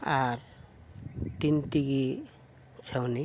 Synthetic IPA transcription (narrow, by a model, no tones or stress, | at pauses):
aɾ | t̪int̪iɡi | t͡ʃʰəwni